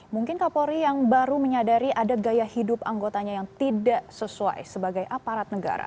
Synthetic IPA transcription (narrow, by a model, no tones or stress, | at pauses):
muŋkɪnkapoɾijaŋbaɾuməɲadaɾiʔadaɡajahidʊpaŋɡot̪aɲajaŋt̪idaʔsəsua̰jsəbaɡajʔapaɾat̪̚nəɡa̰ɾa̰